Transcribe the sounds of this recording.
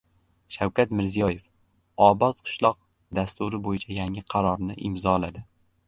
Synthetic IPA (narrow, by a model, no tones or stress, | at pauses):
ʃawkʲat̪mɪɾzijɒje̞f | ɒbɒt̪̚qʰʊ̥ʃlˠɒq̚ | d̪ast̪ʊɾɪbojɪt͡ʃʰajaŋɪqʰɑɾɒɾnɪʔɪmzɒlad̪ɪ